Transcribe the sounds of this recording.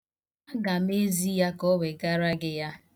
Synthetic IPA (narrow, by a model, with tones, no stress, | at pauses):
a˦ɡa˨m˦e˦zi˦ja˦kɔ˦we˨ɡa˦ɾa˦ɡɪ˦ja˦